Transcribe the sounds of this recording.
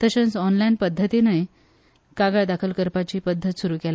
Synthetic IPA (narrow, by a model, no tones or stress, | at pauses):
t̪əɕə̃nt͡sɔnlajinpəd̪ʱːət̪inəj | kaɡaɭd̪akʰəlkəɾpat͡ɕiːpəd̪ʱːət̪suɾuːkɛla